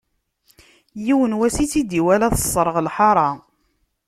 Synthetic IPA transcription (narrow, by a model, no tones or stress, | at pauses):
jiwənwæsit͡sːid̪iwælæθə̥sˤːɾˤəʁlħɑɾˤɑ